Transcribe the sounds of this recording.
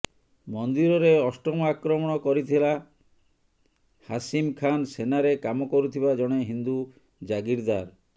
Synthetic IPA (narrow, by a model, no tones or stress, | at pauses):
mɔnd̪iɾɔɾeɔsʈɔmɔakɾɔmɔɽ̃ɔkɔɾit̪ʰila | hasimkʰansenaɾekamɔkɔɾut̪ʰibad͡ʒɔɽ̃eɦind̪u | d͡ʒaɡiɾd̪aɾ